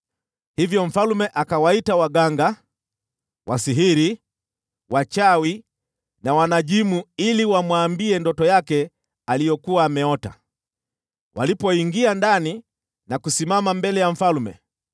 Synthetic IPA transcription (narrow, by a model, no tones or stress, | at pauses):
hivjɔɱ̩falumɛʔakawaitawaɠaŋɡa | wʔasiɦiɾi | wat͡ʃawi | nawanaʄimuiliwamwaːmbiɛndɔtɔjakɛ | alijɔkuwaːmɛɔta̰ | wʔa̰lipɔiŋɡiandani | nakusimamambɛlɛjaɱ̩falmɛ̰